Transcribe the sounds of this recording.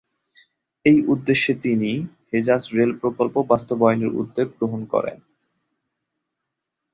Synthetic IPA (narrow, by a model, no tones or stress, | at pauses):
ejʔud̪ːeʃːet̪inihed͡ʑasɾelpɾokolpobast̪obɔjoneɾṵd̪ːeɡ̚bɾoɦonkɔ̰ɾḛn